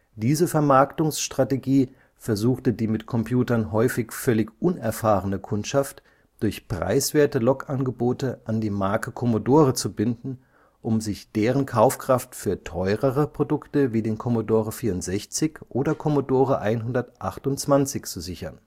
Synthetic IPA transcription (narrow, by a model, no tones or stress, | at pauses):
d̥iːzəfɛɐmaɐktʊŋsʃtʁ̥ateɡiː | fɛɐzuːxtədiːmɪtkʰɔmpʰjuːtɐnɦɔʏfɪçfœlɪçʔʊnɛɐfaːʁənəkʰʊntʃaft | d̥ʊɐçpʁ̥a̰ɪsv̥eːɐtəlɔkʔanɡəboːtəʔandiːmaɐkəkʰɔmodoːʁət͡subɪndn̩ | ʔʊmzɪçd̥eːʁ̞ənkʰaʊfkʁ̥aftfyːɐtʰɔʏʁəʁəpʁ̥odʊktəviːdeːnkʰɔmodoːʁəfiːɐʊntz̥ɛçt͡sɪçʔoːdɐkʰɔmodoːʁəʔaɪnɦʊndɐtʔaχtʊnt͡sv̥ant͡sɪçt͡suzɪçɐn